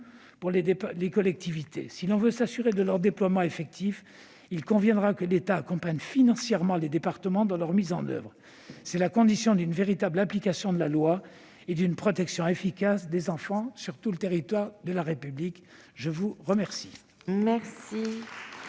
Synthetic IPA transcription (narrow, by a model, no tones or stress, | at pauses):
puʁlelekɔlɛk̚t̪ivit̪esilɔ̃vøsasyʁed̪əlœʁd̪eplwamɑ̃efɛk̚t̪ʰif | ilkɔ̃vjɛ̃d̪ʁakəlet̪aːkɔ̃paɲfinɑ̃sjɛʁmɑ̃led̪epaʁt̪əmɑ̃d̪ɑ̃lœʁmizɑ̃nœ̰vʁ | sɛlakɔ̃d̪isjɔ̃d̪ynveʁit̪ablaplikasjɔ̃d̪əlalwa | ed̪ynpχɔt̪ɛksjɔ̃efikasd̪ezɑ̃fɑ̃syʁt̪ulət̪eʁit̪waʁd̪əlaʁepyblik | ʒəvuʁəmɛʁsi̥ | mɛʁsi